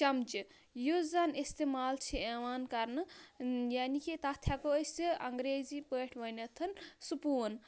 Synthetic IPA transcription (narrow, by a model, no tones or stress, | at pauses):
t͡ʃɐmt͡ʃi | jozɐnist̪emaːlt͡ʃʰieʋaːnkɐɾnɨjaːnikit̪ɐt̪ʰjakoəst͡siʔɐŋɡɾeːzipəːʈʰʋɐnɐt̪ʰːɐnsupuːn